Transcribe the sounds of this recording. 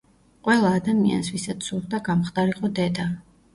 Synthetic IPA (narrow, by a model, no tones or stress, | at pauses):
qʼwɛlˠaːd̪amia̰nsvisat̪ssuɾd̪aɡamχd̪ʼaɾiqʼɔd̪ɛd̪a